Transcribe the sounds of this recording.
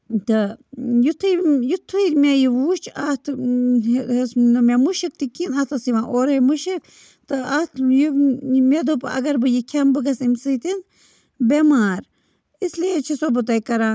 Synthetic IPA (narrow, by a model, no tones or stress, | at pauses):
t̪ɨjut̪ʰːɨjut̪ʰːuiɾmejiʋuːʃt͡ʃʰat̪ʰ | snɨmʲemuʃikt̪ikinɐt̪ʰɐsiʋãːʔoːɾemuʃik | t̪ɨɐt̪ʰjimed̪opɨɐ̰ɡɐɾbɨjikʲʰɐmbɨɡɐsimsɨːt̪in | bemaːɾ | islet͡ʃʰisobɨt̪ɐjkɐɾaː